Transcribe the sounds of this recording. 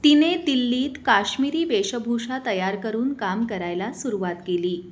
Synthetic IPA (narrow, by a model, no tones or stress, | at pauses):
t̪ined̪ilːiːt̪kaɕmiɾiːʋeɕəbʱuʂat̪əjaɾkəɾuːnkamkəɾajlasuɾuʋat̪keliː